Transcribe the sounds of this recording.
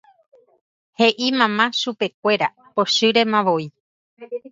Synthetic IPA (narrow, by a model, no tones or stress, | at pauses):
he̞ʔimãmãʃupe̞k̚ʷe̞ɾa̰ | po̞ʃɨɾe̞mãʋoi